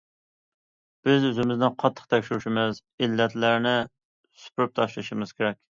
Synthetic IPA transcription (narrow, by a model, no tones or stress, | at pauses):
b̥ɪzøzɪmɪznɪnqʰɑt̪ʰːəqt̪ʰɛkʲʃuɾuʃimɪz | ilːɛt̪læɾnɪ | sy̥pyɾyp̚t̪ʰɑʃlˠɨʃɪmɨz̥kʲeɾɛkʲ